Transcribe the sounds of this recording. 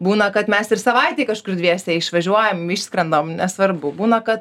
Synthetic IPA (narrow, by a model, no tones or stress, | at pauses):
buːnɐkɐt̪mʲɛsɪrsɐʋɐɪt̪ʲeːkɐʃkʊrdʲʋʲiɛsʲɛɪʃʋɐʒʲuɔjɛmiʃsʲkɾʲɛnd̪oːmnʲɛsʋɐrbʊbuːnɐkɐt̪